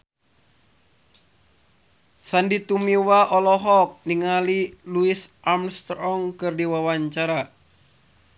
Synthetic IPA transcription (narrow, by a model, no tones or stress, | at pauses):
sandit̪umiwaʔɔlɔɦɔk̚niŋaliluisʔamst̪ɾɔŋkɨrdiwawaɲt͡ʃaɾa